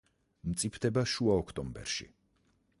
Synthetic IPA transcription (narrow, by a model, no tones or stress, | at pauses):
mt̪sʼipʰt̪ʰɛbaʃuaɔkʰt̪ʼɔmbɛ̰ɾʃḭ